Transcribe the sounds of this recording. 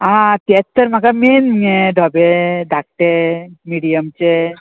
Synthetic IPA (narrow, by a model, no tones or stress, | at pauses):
ãt̪iett̪ːəɾmakameneɖʱɔbed̪ʱak̚ʈemiɖijəmt͡ʃe